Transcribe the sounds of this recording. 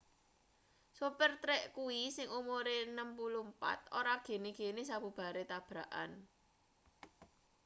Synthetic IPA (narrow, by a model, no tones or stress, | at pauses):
supərt̪ɾɛʔkuwisɪŋumoɾenəmpuluhmpa̰t̪o̰ɾaɡ̥e̤neɡ̥enesab̥ṳb̥a̤ɾet̪ab̥ɾaʔa̰n